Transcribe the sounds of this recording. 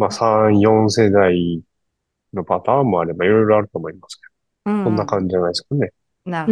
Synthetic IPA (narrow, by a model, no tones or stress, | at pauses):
maːsãɰ̃jõ̞ɰ̃se̞d̪ai | no̞pat̪aːmːo̞aɾe̞baiɾo̞jɾo̞aɾɯ̟t̪o̞ːmoimasɨ̥ke̞d̪o | kõ̞nːakãɲ̟d͡ʑid͡ʑanaisɨ̥kane̞